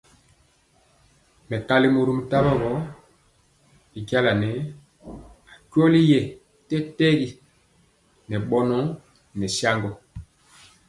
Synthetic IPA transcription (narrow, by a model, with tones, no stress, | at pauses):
mɛ˨ka˦li˦mo˨ɾu˦m˨ta˦bɔ˦ɣɔ˦ | bi˨ki˦a˦la˨nɛ˨˦ | a˨kɥɔ˦li˦jɛ˨ | tɛ˦tɛ˦ɡi˨ | nɛ˨ɓɔ˦nɔ˦ | nɛ˨sja˦ŋɡɔ˨